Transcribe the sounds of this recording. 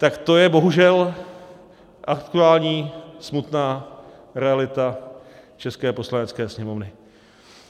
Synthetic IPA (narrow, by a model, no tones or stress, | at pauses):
t̪akt̪o̞jɛbo̞ɦuʒɛl | ʔakt̪uaːlɲiːsmut̪naː | ɾɛalɪt̪a | t͡ʃɛskɛːpo̞slanɛt͡skɛːsɲɛmo̞vnɪ